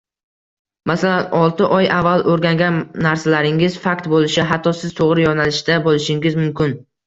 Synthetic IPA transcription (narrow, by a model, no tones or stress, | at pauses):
masalanɒlˠt̪ʰɪʔɒjʔavːalˠʔoɾɡʲaŋɡʲanːaɾsalaɾɪŋɪz̥fakʲt̪bolɪʃɪɦat̪ʰːɒsɪzt̪ʰoʁɾɪjɒnalɪʃɪd̪abolɪʃɪŋɪzmʊmkʲɪn